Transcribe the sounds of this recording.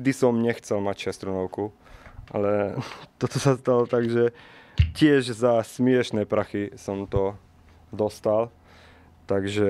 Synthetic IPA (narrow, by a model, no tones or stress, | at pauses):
d̪isɔmɲɛxt͡sɛlmacʃɛst̪ɾunɔʊku | ʔa̰lɛt̪ɔt̪ɔsast̪alɔt̪aɡʒɛcɪɛʒzasmɪɛʃnɛːpɾaxisɔmt̪ɔ | d̪ɔst̪al | t̪aɡʒɛ